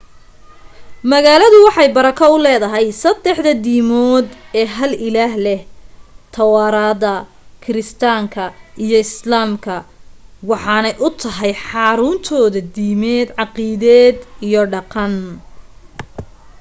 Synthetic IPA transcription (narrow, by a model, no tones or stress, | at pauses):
mɐɣaːlɐðʊwɑħɑjbɐɾɐkʰɔʊlɛːðɐɦɛjsɐd̪ɛħðɐd̪iːmɔːd̪ɛːɦɐlɪlaːɦlɛht̪ʰɐwɑːɾaːd̪ɐ | kʰɪɾɪst̪ʰaːŋkʰɐijɞɪslaːmkʰɐwɑħɑːnɛjʔʊt̪ʰɐɦɛjħɑːɾʊːnt̪ʰɔːðɐd̪iːmɛːd̪ʕɑqiːðɛːd̪ijɞɖɑqɑn